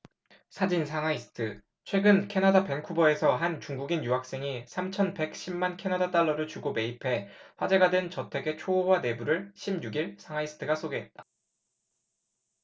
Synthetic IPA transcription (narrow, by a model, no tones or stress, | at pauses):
sʰad͡ʑinsʰaŋaisʰɯ̥tʰɯ | t͡ɕʰwe̞ɡɯnkʰe̞nadape̞ŋkʰubʌe̞sʰʌɦant͡ɕuŋɡuɡinjuɦak̚s͈e̞ŋisʰamt͡ɕʰʌnpe̞k̚ɕ͈ʰimːankʰe̞nadat͈aɭːʌɾɯɭt͡ɕuɡome̞ipʰe̞ɸwad͡ʑe̞ɡadwe̞nt͡ɕʌtʰe̞ɡe̞t͡ɕʰoːwane̞buɾɯɭɕʰimɲuɡiɭsʰaŋaisʰɯ̥tʰɯɡasʰoɡe̞ɦe̞t̚t͈ḁ